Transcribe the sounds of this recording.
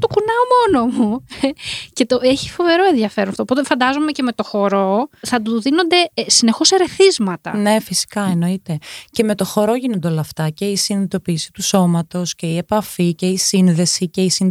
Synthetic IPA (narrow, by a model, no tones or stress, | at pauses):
t̪okunɐomo̞nomu | ce̞t̪o̞eçi̥fo̞ve̞ɾo̞e̞nðjɐfe̞ɾɐft̪opot̪efɐnd̪ɐzo̞me̞ceme̞t̪o̞xo̞ɾo̞θɐt̪uðino̞nd̪e̞sine̞xo̞se̞ɾe̞θizmɐt̪ɐ̰ne̞fisi̥kɐeno̞it̪e̞ce̞me̞t̪o̞xo̞ɾo̞ʝinond̪eo̞lɐɐft̪ɐce̞isinðit̪o̞piːsi̥t̪uso̞mɐt̪o̞sce̞ie̞pɐficeisinðe̞sice̞isin